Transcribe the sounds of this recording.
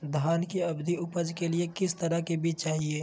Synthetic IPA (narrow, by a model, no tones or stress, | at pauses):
d̪ʱaːnkiɐbd̪iʊpəd͡ʒkeliekɪst̪ɐɾakebiːt͡ʃt͡ʃaːɦieː